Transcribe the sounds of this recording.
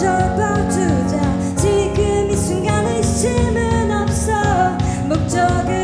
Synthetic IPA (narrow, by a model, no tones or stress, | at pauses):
ʌbat͡ɕud͡ʑa | t͡ɕiɡɯmisʰuŋɡaneɕimɯnʌp̚sʌ | mok̚t͡ɕʌɡe